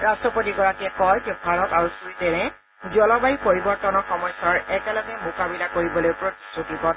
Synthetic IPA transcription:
ɹastɹɔpotiɡɔɹakiɛkɔjd͡ʒɛbʱaɹɔtaɹusuɹitɛnɛ | zɔlɔbajipoɹibɔɹtɔnɔxɔmɔjsɔɹɛkɛlɔɡɛmʊkabilakoɹibɔlojpɹoti̥sɹutipɔ

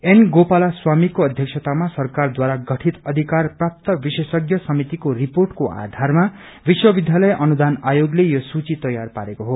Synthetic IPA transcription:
enɡopalaswamikoʌd̪ʱjʌksʰʌt̪amasʌrkard̪waɾaɡʌʈʰit̪ʌd̪ʱikarprap̚t̪ʌbisesʌɡjʌsʌmit̪ikoriporʈkoa̰d̪ʱarma | biswʌbid̪ʱjalʌjʔʌnud̪anajoɡlejosut͡sit̪ʌjarpaɾekoɦo

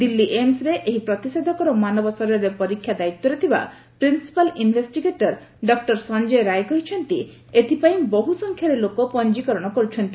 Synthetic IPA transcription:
d̪ilːiʔemsɾeʔeɦipɾɔt̪ised̪ʱɔkɔɾɔmanɔbɔsɔɾɔɾepɔɾikʰːjad̪ait̪ːɔɾet̪ʰiba̰ | pɾinsi̥palinbʱesʈiɡeʈɔɾ | ɖɔk̚ʈɔɾsɔnd͡ʒejɾajkɔɦit͡ʃʰɔnt̪i | et̪ʰipaĩbɔɦusɔŋkʰjaɾelokopɔnd͡ʒikɔɾɔɽ̃ɔkɔɾut͡ʃʰɔnt̪i

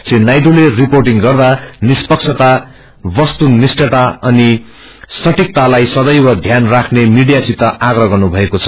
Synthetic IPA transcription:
t͡sinajd̪uleriporʈiŋɡʌrd̪anispʌkt͡sʰʌt̪a | bʌst̪unisʈʌʈaʌni | sʌʈik̚t̪alajsʌd̪ʌjwʌd̪ʱjanrakʰnemiɽijasit̪ːʌaɡrʌɡʌrnubʱʌekot͡sʰʌ̥

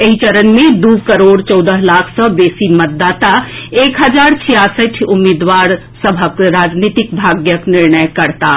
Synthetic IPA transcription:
eɦit͡ʃəɾənmẽd̪ukəɾoːɽt͡ʃɔwd̪əɦlaːkʰsə̃beːsimət̪̚d̪aːt̪aeːkɦəd͡ʒaːɾt͡ʃʰijasəʈʰumed̪ʋaɾ | səbʱəkɾaːd͡ʒnit̪ik̚bʱaːɡjəknɪɾnəjkəɾt̪a

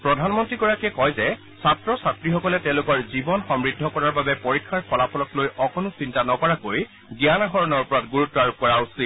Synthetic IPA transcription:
pɹɔdʱanmɔntɹiɡɔɹakiɛkɔjzɛ | satɹɔsatɹixɔkɔlɛtɛ̃ʊ̃lʊkɔɹzibɔnxɔmɹidʱːɔkɔɹaɹbabɛpoɹikʰːaɹkʰɔlapʰɔlɔklojʔɔkonʊsintanɔkɔɹakoj | ɡjanaxɔɹɔnɔɹupɔɹatɡuɹutːɔaɹub̚kɔɹausi

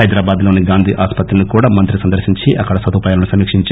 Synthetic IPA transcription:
ɐjd̪ɾaːbaːd̪lo̞ːniɡaːnd̪ʱiːʔaːspɐt̪ɾɐnikuːɽaːmɐnt̪ɾisɐnd̪ɐɾsiɲt͡ʃiʔɐkːɐɽɐsɐd̪uːpɐjaːlɐnusɐmiːkʂiɲt͡ʃ

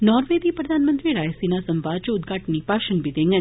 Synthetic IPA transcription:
nɔːɾʋed̪ipɾəd̪ʱaːnmə̃nt̪ɾiɾaːjsinasəmbaːd̪̚t͡ʃəʊd̪ɡʱaːʈənipaːʃənbʱid̪ẽŋɡə

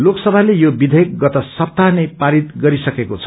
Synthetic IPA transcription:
loksʌbʱalejobid̪ʱʌjʌk̚ɡʌt̪ʌsʌp̚t̪anʌjpaɾit̪ɡʌɾisʌkekot͡sʰʌ

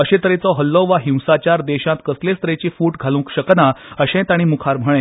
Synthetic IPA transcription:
əɕet̪əɾet͡sɔɦəlːɔʋaɦĩw̃sat͡ɕaɾd̪eɕãt̪kəslest̪əɾet͡ɕiːfuːʈɡʱalũːkɕəknaəɕɛ̃t̪aɽ̃iːmukʰaɾm̤əɭ̃ẽ

